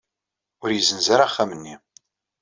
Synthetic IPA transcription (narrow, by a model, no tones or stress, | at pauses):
ʊɾjəzənzaɾaχːæmənːi